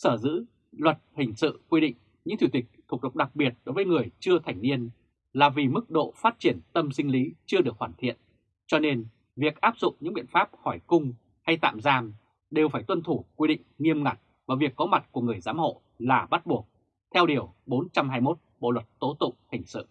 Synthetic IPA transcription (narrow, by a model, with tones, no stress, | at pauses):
səː˧˩zɨ̰˧˥ | lwə˨˩t̚hï˨˩ŋ̟sɨ̰˧˨kwi˧ɗḭ̈˧˨ŋ̟ | ɲɨ̰˧˥ŋt̪ʰi˧˩t̪ï˨˩k̟̚t̪ʰu˨˩k̚ɗə˨˩k͡p̚ɗa˨˩k̚ɓi˨˩ət̚ɗo˨˦jvəː˨˦jŋɨ˨˩əjt͡ɕɨ˧ət̪ʰa˨˩jŋ̟ni˧ən | laː˨˩vi˨˩mɨ˦˥k̚ɗo̰˧˨faː˦˥t̚t͡ɕi˧˩ənt̪ə˧msi˧ŋ̟li˨˦t͡ɕɨ˧əɗɨ˨˩ək̚hwaː˧˩nt̪ʰḭ˧˨ən | t͡ɕɔ˧ne˧n | vi˨˩ək̚ʔaː˦˥p̚zʊ̰˧˨ŋ͡mɲɨ̰˧˥ɓḭ˧˨ənfaː˦˥p̚hɔ˧˩jkʊ˧ŋ͡m | ha˧jt̪a̰ː˧˨mzaː˧m | ɗe˨˩wfaː˧˩jt̪wə˧nt̪ʰu˧˩kwi˧ɗḭ̈˧˨ŋ̟ŋi˧əmŋa˨˩k̚vaː˨˩vi˨˩əkːɔ˨˦ma˨˩t̚ku˧˩əŋɨ˨˩əjza̰ː˨˦mho̰˧˨ | laː˨˩ɓa˦˥t̚ɓu˨˩ək̚ | t̪ʰɛ˧wɗi˨˩əwɓo˨˦nt͡ɕa˧mhɦaː˧jmo˦˥t̚ɓo̰˧˨lwə˨˩t̚t̪o˨˦˥t̪ʊ̰˧˨ŋ͡mhï˨˩ŋ̟sɨ̰˧˨